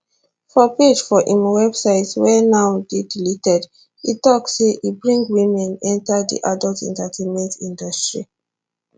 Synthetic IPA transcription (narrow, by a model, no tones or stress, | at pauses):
fɔped͡ʒfɔʔĩmwɛbsaɪtswɛnawdedilitɛd | itɔksːeʔibɹĩŋɡwĩmɛ̃nɛ̃ntadḭʔadɔltɛ̰̃ntatʰẽnmɛ̃ntĩndɔstɹi